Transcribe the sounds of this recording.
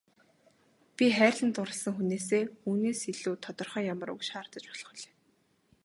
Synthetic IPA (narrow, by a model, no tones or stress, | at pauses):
pʲiχæːrʲɮə̆nt̪ʊɾə̆ɮsə̆ŋxuneːseːxuːneːsiɮuːt̪ʰɔt̪ɞ̆rχœːjamə̆ɾṵkʃχaːr̥t̪ə̆t͡ɕpɔ̥ɮɞ̆χɞ̆ɮe̥ː